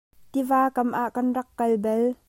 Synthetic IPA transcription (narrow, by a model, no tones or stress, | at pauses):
t̪ivaːkɐmʔaːʔkɐnrɐkːɐlbɛl